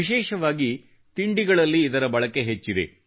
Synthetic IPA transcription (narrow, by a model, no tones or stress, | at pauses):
iʃeːʃɐʋaːɡi | t̪iɳɖiɡɐɭɐlːiːd̪ɐɾɐbɐɭɐke̞ɦet͡ʃːid̪ḛ